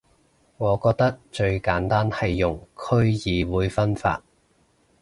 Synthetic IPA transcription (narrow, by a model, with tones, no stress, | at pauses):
ŋɔː˨˧kɔː˧k̚t̪ɐ˥k̚t͡ʃɵ˧ɥkaː˨˥nt̪aː˥nhɐ˨jːʊ˨˩ŋkʰɵ˥ɥjiː˨˧wuː˨˧jfɐ˥nfa̰ː˧t̚